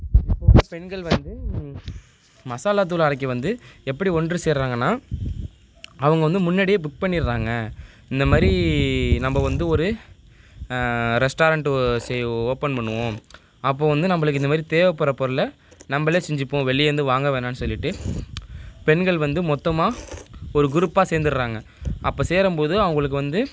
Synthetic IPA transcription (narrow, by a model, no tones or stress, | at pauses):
pːoɯpɛɳɡɐɭʋɐnd̪ɯ | mɐsaːlaːt̪̬ːulaːɾɐk̬ːɐʋɐnd̪ɯɛpːɐɽiɔnɖrɯseːɾɾaːŋɡɐnːaː | ɐʋɐŋɡɐʋɐnd̪ɯmʊnːɐɽɪjeːbʊk̚pɐɳːɪɾɾaːŋɡɐ | ɪnd̪ɐmaːd̪ɾinɐmbɐʋɐnd̪ɯɔɾɯ | ɾɛsʈaːɾɐɳʈsɛoːpɐnpɐɳːɯʋõː | ɐpːoːʋɐnd̪ɯnɐmːɐɭɯk̬ːɪnd̪ɐmaːd̪ɾit̪eːʋɐpːɐɾɐpɔɾɯlɐ | nɐmbɐɭeːsɛɲd͡ʒɪpːõːʋɛɭːɪjʋɐnd̪ɯʋaːŋɡɐʋeːnaːnːɯsɔlːɪʈːɯ | pɛnɡɐɭʋɐnd̪ɯmɔt̪ːɐmaːɔɾɯɡʊɾɯpːaːseːɾnd̪ɯɾɾaːŋɡɐ | ɐpːoːseːɾɐmpoːðɯɐʋɐŋɡɐɭɯk̬ːɯʋɐnd̪ɯ